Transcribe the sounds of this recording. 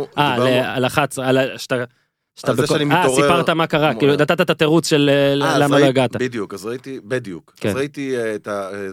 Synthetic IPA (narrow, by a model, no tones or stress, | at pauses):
ʔalealaχat͡salaʃt̪a | ʃt̪abeiaʁipaʁt̪amakaʁakiːlud̪at̪at̪at̪at̪e̞ʁut͡sʃeleːamaloaɡat̪abid̪jukazʁait̪ibid̪ijukkḛnait̪it̪ae